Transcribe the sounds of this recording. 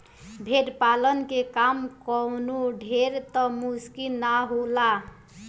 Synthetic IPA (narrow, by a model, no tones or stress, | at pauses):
bʱeʈpalənkekamkɔnuɖʱeɾt̪ɔmuskinaɦola